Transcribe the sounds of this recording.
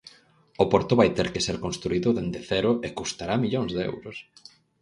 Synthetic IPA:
opoɾt̪oβajt̪eɾkeseɾkõnst̪ɾuiðʊðend̪eθɛɾʊʔekust̪aɾamiʎoŋzðeɛ̰wɾʊs

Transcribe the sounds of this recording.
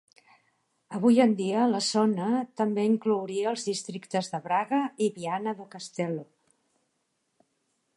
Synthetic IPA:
əβ̞ujənd̪iələzɔnət̪əmbeiŋklowɾiəːlˠzðist̪ɾikt̪əzðəβɾaɣəiβianəðəkəst̪ɛlo

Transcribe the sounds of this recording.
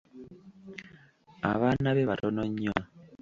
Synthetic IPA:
a̰βanaβeβatonoɲːa

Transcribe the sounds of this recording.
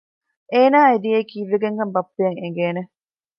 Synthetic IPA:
ʔeːnaːed̪ijeikiːʋeɡeŋɡɐmbɐpːejɐŋeŋ̆ɡeːne

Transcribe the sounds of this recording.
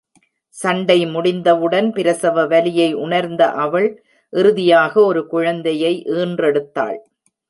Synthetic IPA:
sɐɳɖɐɪmʊɽɪnd̪ɐʋɯɽɐnpɪɾɐsɐʋɐʋɐlɪjɐɪʔʊɳɐɾnd̪ɐ̰ʔɐʋɐɭ | ʔɪɾɯðɪjaːɣɐɔɾɯkʊɻɐnd̪ɐjɐɪʔeːndrɛɽɯt̪ːa̰ːɭ

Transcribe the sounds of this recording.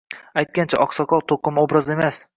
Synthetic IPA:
ajt̪̚kʲant͡ʃʰaʔɒqsɒqɒlˠt̪ʰoqɨmobɾɒze̞mas

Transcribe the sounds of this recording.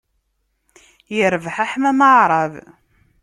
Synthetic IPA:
jəɾvħaħmæməʕɾˤɑv

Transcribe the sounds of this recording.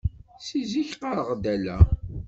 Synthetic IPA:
siziçqɑɾʁd̪ælæ̰

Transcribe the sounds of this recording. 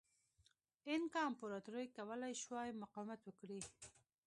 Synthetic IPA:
ɪnkɑnpuɾɑt̪uɾəjkawəlajʃwɑjmʊqɑwɪmat̪wəkɽi

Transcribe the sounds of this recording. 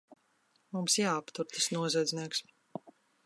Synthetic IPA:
mumsjaːapt̪uɾt̪asnuɔzɛd̪zniɛks

